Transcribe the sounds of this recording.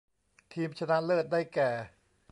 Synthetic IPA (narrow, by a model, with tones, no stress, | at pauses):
t̪ʰiː˧mt͡ɕʰa˧na˦˥ʔlɤː˥˩t̪̚daː˥˩jkɛː˨˩